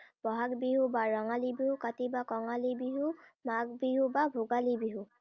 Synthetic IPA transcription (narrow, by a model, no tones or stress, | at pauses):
b̥ɔɦaɡbiɦubaɹɔŋalibiɦukatibakɔŋalibiɦumaɡbiɦubabʱuɡalibiɦu